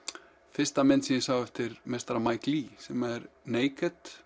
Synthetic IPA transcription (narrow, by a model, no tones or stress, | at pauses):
fɪr̥st̪amɛnsinɪsaːwɛft̪ɪɾmɛst̪ɾamaːjklisɛmɛɾneːjkɛt̪